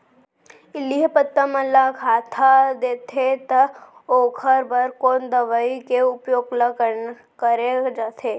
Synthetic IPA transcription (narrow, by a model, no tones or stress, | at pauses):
ɪliɦpət̪ːəməlakʰat̪ʰad̪et̪ʰet̪əokʰəɾbəɾkond̪əʋəikeʊpjoɡləkə | kəɾed͡ʒat̪ʰe